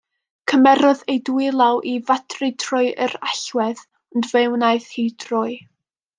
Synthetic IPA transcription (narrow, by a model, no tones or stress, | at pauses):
kʰəmɛɾɔðejduɪlˠawʔivatʰrɨtʰrʊɨʔəɾaɬwɛð | ɔndvewnaɨθhidrʊɨ